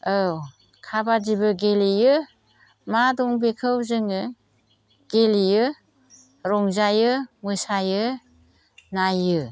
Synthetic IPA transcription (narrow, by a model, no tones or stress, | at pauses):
ɯw | kʰabadibɯɡelijɯ | madɔŋbekʰɯwzɯŋɯ | ɡ̥elijɯ | ɾɔŋzajɯmɯsajɯ | najɯ